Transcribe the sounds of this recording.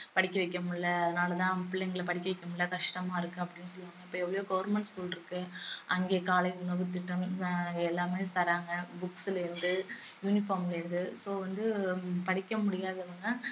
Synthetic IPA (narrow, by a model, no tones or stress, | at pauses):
pɐɽɪkːɐʋɛɪkːɐmʊɽlːɐɐðɐnaːlɐt̪ãːpːɪlːɐɛŋɡɐɭpɐɽɪkːɐʋɪkːɐmʊɽɭːlːɐkɐʂʈɐmaːɪɾɯkːɯɐpːɐɽɪnːɯsɔlʋaːŋɡɐɪpːoːɛʋːɐɭɔjoːɡɐʋɐɾmɛɳʈskuːlɪɾɯkːɯʔɐŋɡeːkaːlɐɪnoʋɯt̪ːɪʈːɐmaːŋɡɛlːaːmeːst̪ɐɾaːŋɡɐbʊksɪlɪɾɯnd̪ɯ | juːnɪfaːmlɪɾɯnd̪ɯsoːʋɐnd̪ɯpɐɽɪkːɐmʊɽɪjaːðɐʋɐŋɡɐ